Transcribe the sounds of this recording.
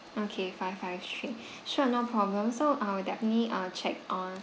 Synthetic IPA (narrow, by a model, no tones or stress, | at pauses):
okʰefaɪaɪftʰɹi | ʃunaʊpʰɹɔblə̃msoʔawədɛfənətliʔat͡ʃʰɛk̚ɔ̃n